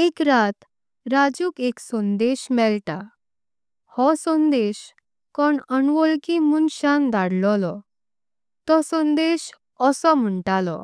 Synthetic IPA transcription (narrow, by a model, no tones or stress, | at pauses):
ekɾat̪ | ɾad͡ʑuːkeksɔ̃nd̪eɕmɛlt̪a | hɔsɔ̃nd̪eɕ | kɔɳəɳʋɔlkimunɕand̪aɽlɔlɔ | t̪ɔsɔ̃nd̪eɕ | əsɔm̤əɳʈalɔ̰